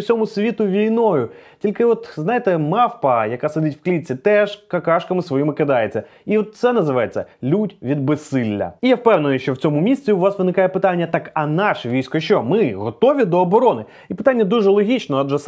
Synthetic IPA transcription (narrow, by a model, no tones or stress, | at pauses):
sʲɔmʊsʲʋʲit̪ʊʋʲijnɔjʊtʲilʲkɪɔt̪znɑjet̪ɛmɑfpɐjɐkased̪ɪtʲwklʲit͡sʲit̪ɛʃkɐkɑʃkɐmɪsʋɔjimɪkɪd̪ɑjet͡sʲːɐ | iɔt̪̚t̪sɛnɐzɪʋɑjet͡sʲːɐ̰lʲudʲʋʲid̪̚besɪlʲːɐ̰ijɛwpɛwnenjʊʃt͡ʃɔwt͡sʲɔmʊmʲisʲt͡sʲiʊʋɑsʋɨnɪkajɛpɪt̪anʲːɐt̪ɑkɐnɑʃɛʋʲijsʲkɔʃt͡ʃɔmɪɦɔt̪ɔʋʲid̪ɔːbɔɾɔnɪ | ipɪ̥t̪anʲːɐd̪uʐɛlˠɔɦʲit͡ʃnɔɐdʒɛs